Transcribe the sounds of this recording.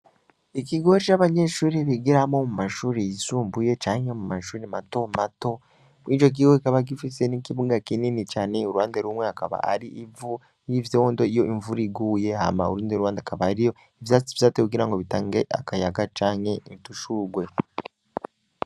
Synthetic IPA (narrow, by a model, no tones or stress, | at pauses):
ikiɡo̞ɾit͡ʃaβaɲe̞ːʃuːɾiβiɡiɾamo̞mumaʃuːɾejisuːmbuje̞t͡ʃaːŋhe̞mumaʃuːɾemato̞mato̞ | mwiːt͡ʃo̞k̬iːweikaβaɡifise̞nikiβuɡakininit͡ʃaːne̞uɾuwaːndeɾumweakaβa̰a̰ɾiʔivu | jivjoːndo̞ijo̞ʔiɱvuɾiɡuːje̞ɦa̰ma̰ṵɾuːndieɾuwaːndakaβaɾijo̞ | ivjat͡sivjatekuɡiɾaŋɡo̞βitaːŋɡeʔa̰kajaɡat͡ʃaːŋhe̞ituʃuːɡwe̞